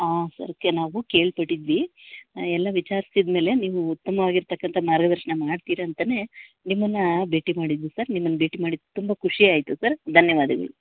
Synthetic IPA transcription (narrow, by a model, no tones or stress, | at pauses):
aːsɐ̰ɾɐkːenaːʋuke̞ːɭpɐʈːid̪ʋi | ɛlːɐʋit͡ʃaːɾist̪id̪me̞ːle̞niːʋuut̪ːɐmɐʋaːɡiɾt̪ɐkːɐnt̪ʰɐmaːɾɡɐd̪ɐɾʃɐɳɐmaːɖt̪iːɾɐːnt̪ɐne̞ː | nimːɐnːɐbe̞ːʈimaːɽid̪ːusɐɾnimːɐnːɐbe̞ːʈimaːɽid̪t̪umbɐkʰuʂiaːjt̪usɐɾd̪ʱɐnjɐʋaːd̪ɐɡɐ̰ɭu